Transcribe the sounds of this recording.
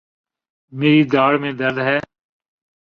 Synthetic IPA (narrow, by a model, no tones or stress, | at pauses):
meːɾiːd̪aːɽmẽːd̪əlɦɛː